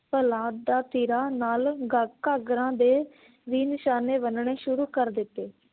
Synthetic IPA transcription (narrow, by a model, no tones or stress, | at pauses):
pəlãːd̪̚d̪aːt̪iːɾaːnaːlɡaːkːaːɡɾãːd̪eː | ʋiːnɪʃaːneːbənɳeːʃʊɾuːkəɾd̪ɪt̪ːeː